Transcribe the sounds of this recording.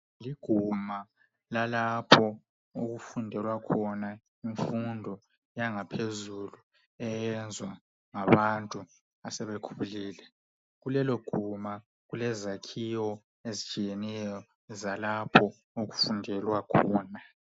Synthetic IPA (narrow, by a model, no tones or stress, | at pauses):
liɡ̥ʱuma | lalapʰɔ | oɣufundʱɛlwakʰɔna | iɱfundʱɔ | jaŋapʰezulu | ɛjɛnd͡zʱwa | ŋaβantʼu | asɛβekʰuβuliːlɛ | ɣulɛloɡ̥ʱuma | ɣulɛzakʰiwɔ | ezit͡ʃʼijɛnɛjɔ | zalapʰɔ | oɣufundʱɛlwakʰɔːna